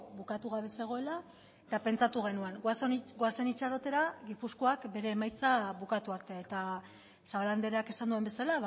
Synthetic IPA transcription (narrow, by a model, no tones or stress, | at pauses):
βukat̪uɣ̞aβe̞se̞ɣ̞o̞e̞la | et̪ape̞nt͡sat̪uɣ̞e̞nuaŋɡasoɡoase̞nit͡ʃaɾot̪e̞ɾaɣipusko̞akbe̞ɾe̞ːmajt͡saβukat̪uaɾt̪e̞et̪a | saβaland̪eɾeake̞sand̪uembe̞sala